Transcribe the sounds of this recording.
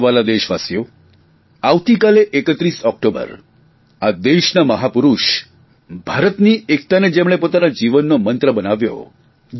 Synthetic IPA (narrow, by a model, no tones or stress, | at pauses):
ʋalad̪eʃʋasjo | aʋt̪ikaleʔekət̪ɾiːsɔk̚ʈobə̰ɾ | ad̪eʃnaməɦapuɾuʃ | bʱaɾət̪niːek̚t̪aned͡ʒemɽ̃epot̪anad͡ʑiʋənːomənt̪ɾəbənaʋjo̰